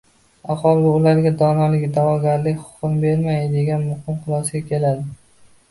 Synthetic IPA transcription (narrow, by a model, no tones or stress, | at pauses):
aχɒlˠɪʊlaɾɡʲad̪ɒnalɪɡʲd̪avɒɡʲaɾlɪkʲχʊ̥χʊmbe̞ɾmajd̪e̞ɡʲanmʊhɪmqɨlˠɒsɪɡʲakʲʰe̞lad̪ɪ